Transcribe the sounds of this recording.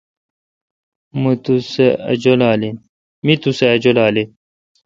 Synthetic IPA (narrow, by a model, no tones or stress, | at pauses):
mut̪useɐ̰d͡ʑolaːlin | mit̪useɐd͡ʑolaːle